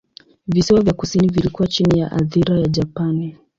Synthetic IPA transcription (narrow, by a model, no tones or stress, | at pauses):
visiwavjakusinivilikuwat͡ʃinijaʔa̰ðiɾajad͡ʒapani